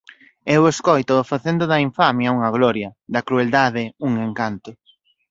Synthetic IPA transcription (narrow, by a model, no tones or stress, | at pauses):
eweskojt̪oːfaθend̪ʊðɐiɱfamjɐuŋɐɣlɔɾjɐd̪ɐkɾueld̪aðɪuŋeŋkant̪ʊ